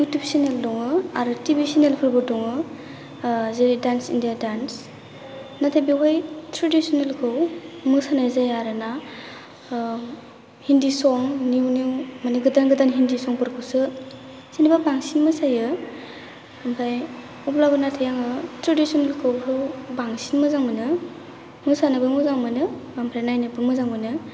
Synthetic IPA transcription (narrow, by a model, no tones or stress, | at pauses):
utupsineldɔŋɯaɾɯtibisinelpʰɯɾbɯdɔŋɯ | zeɾidansḭndijadans | natʰajbiɦɔjtɾadisɔnelkʰɯwmɯsanajzajaɾɯna | hindisɔŋniwniwmanɯɡɯdanɡɯdanɦindisɔŋpɯɾkʰɯwsɯ | sinibabaŋsinmɯsajɯ | ampʰaj | uplabɯnatʰajaŋɯtɾadisɔnelkʰɯwkʰɯwbaŋsinmɯzaŋmɯnɯ | mɯsanɯbɯmɯzaŋmɯnɯampʰɾanajnɯbɯmɯzaŋmɯnɯ